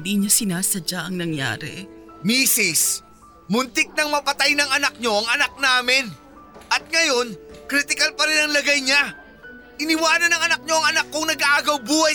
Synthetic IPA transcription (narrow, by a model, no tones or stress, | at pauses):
d̪iɲasɪnaːsɐd͡ʒaʔɐŋnɐŋja̰ːɾɛ̰ | miːsɪs | mʊnt̪ɪk̚nɐŋmɐpɐt̪ajnɐŋɐnɐk̚ɲo̞ʔɐŋɐnɐk̚naːmɪn | ʔɐt̪̚ŋɐjo̞nkɾit̪ɪkɐlpɐɾɪnɐŋlɐɡajɲa | ʔɪnɪwaːnɐnɐŋɐnɐk̚ɲo̞ʔɐŋɐnɐkːʊŋnɐɡaːɡɐwbuːhɐj